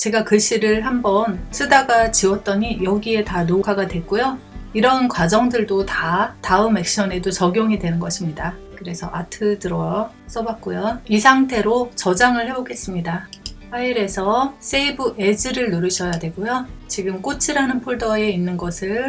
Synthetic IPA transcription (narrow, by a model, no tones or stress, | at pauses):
t͡ɕe̞ɡakɯɕ͈iɾɯɭɦambʌnsʰɯdaɡat͡ɕiwʌt̚t͈ʌɲijʌɡie̞tanokʰaɡadwe̞k͈ojo | iɾʌnkwad͡ʑʌŋdɯɭdotataɯme̞k̚ɕ͈ʌne̞dot͡ɕʌɡjoŋidwe̞nɯnɡʌɕʰimɲidakɯɾe̞sʰʌʔatʰɯdɯɾʌ | s͈ʌbak̚k͈ojʌisʰaŋtʰe̞ɾot͡ɕʌd͡ʑaŋɯɭhe̞boɡe̞s͈ɯmɲidaɸaiɾe̞sʰʌs͈eibɯʔe̞d͡ʑɯɾɯɭnoɾɯɕʰʌjadwe̞ɡojot͡ɕiɡɯmk͈ot͡ɕʰiɾanɯnpʰoɭdʌe̞inːɯnɡʌsʰɯɭ